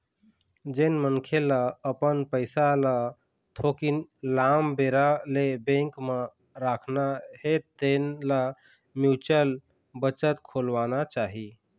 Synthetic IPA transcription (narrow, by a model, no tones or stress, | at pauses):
d͡ʒənmənkʰelaəpənpəɪsala | t̪ʰokinlambeɾalebẽŋkmə | ɾakʰnaɦet̪ːenla | mjut͡ʃəl | bət͡ʃət̪kʰolʋanat͡ʃaɦi